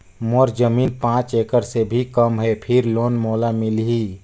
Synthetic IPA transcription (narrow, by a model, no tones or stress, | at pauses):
mɔɾd͡ʒəmiːnpãːt͡ʃeːkəɾsebʱikəmɦɛpʰɪɾloːnmoːlamɪlɦi